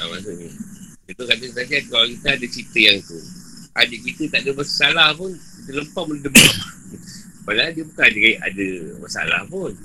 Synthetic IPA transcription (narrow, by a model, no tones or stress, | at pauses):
a̰masuʔɲə | it̪ukadəsat̪iadkawalkit̪aadat͡ʃit̪əjaŋt̪u | a̰diʔkit̪ət̪aʔdəbəsalahpʊn | it̪ələmpaʔmuldəmaʔ | paladiəbukandəkaiʔa̰dəməsa̰la̰hpun